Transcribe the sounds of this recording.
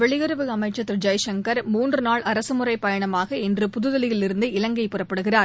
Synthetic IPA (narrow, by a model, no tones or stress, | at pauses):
ʋɛɭɪɣɯɾɯʋɯɐmɐɪʈt͡ʃːɐt̪ːɪɾd͡ʒɐjʂɐŋkɐɾmuːndrɯnaːɭɐɾɐsɯmɯrɐɪpɐjɐɳɐmaːɣɐɛndrɯpʊðɯðɐlɪjɪlɪɾɯnd̪ɯɪlɐŋɡɐɪpːɯrɐpːɐɽɯɣɪraːɾ